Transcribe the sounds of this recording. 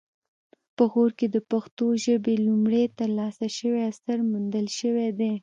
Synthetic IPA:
pəɣoɾked̪əpaxt̪oʒəbelumɽet̪əɾlɑsaʃəweasaɾmund̪əlʃəwed̪e

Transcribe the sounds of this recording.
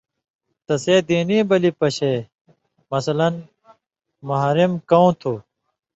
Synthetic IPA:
t̪ɐseːd̪iːniːbɐlipɐɕeː | mɐsɐlɐn | mɐɦɾimkɐũt̪ʰuː

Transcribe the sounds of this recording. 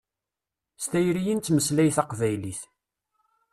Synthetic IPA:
st̪æjɾijint̪ːməslæjθɑqvæjliθ

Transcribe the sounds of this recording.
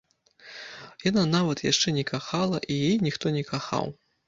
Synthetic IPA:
jananavɐt̪jaʂt͡ʂɛnʲɛkaxalˠɐʔijijnʲixt̪ɔnʲɛkaxa̰w

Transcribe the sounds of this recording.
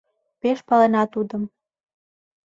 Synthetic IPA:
peʃpɑlenɑt̪ud̪əm

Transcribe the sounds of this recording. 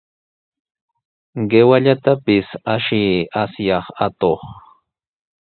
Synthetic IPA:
ɢewaʎat̪apɪsaʃɪasjɑχat̪oχ

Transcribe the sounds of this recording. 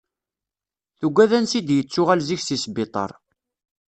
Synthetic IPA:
θuɡːæðænsid̪jət͡sːʊʁælziçsisbɪt̪ˤɑ̰ɾˤ

